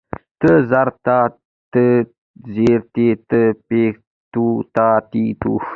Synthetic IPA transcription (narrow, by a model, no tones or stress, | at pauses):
t̪əzaɾt̪a | t̪ə | zeɾt̪et̪əpe | t̪ut̪at̪it̪u